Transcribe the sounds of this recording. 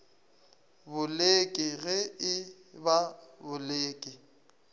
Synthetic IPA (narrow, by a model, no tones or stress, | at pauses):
bʊlekʼɪɣɛɪbabʊleːkʼɪ